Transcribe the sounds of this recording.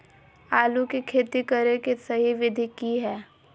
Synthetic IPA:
aːlukikʰeːt̪ikɐɾekesɐɦiʋɪd̪ʱikiɦɛː

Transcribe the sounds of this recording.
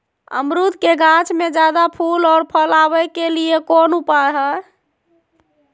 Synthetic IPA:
ə̰mɾut̪keɡãt͡ʃʰmed͡ʒad̪apʰulɔːɾpʰəlabɛkeliekonupaɦɛ

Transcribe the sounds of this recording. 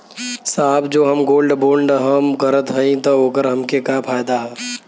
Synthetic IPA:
saːbd͡ʒoːɦəmɡoːlɖboːlɖɦəmkəɾət̪ɦəĩt̪ooːɡəɾɦɐmkekapʰaːjd̪aɦɛ

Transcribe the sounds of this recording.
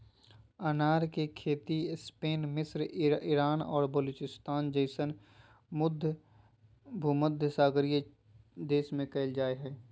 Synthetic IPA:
ənaːɾkekʰeːt̪ispeːnmɪsɾɪɾaːnɔːɾbəluːt͡ʃɪst̪aːnd͡ʒəɪsən | mʊd̪ʱ | bʱuməd̪ʱjəsaːɡɾijə | d̪eːsmẽkɐɪld͡ʒaːeɦɛː

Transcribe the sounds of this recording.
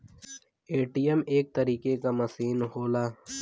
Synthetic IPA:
eːʈijəmeːk̚t̪ɐɾiːkekamɐsiːnɦoːlaː

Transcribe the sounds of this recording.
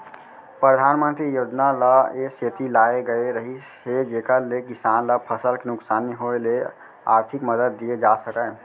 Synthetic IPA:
pɾəd̪ʱanmənt̪ɾijod͡ʒnaləeset̪ilaeɡəeɾəɦished͡ʒekəlekisanləpʰəsəlkenuksaniɦoele | a̰ɾt̪ʰikməd̪əd̪ːied͡ʒasəkɛ

